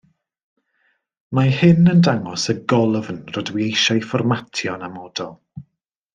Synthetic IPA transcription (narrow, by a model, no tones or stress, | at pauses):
mahɪnəndaŋɔsəɡɔlˠəvnrɔdwiejʃajfɔrmatʰjɔnamɔdɔlˠ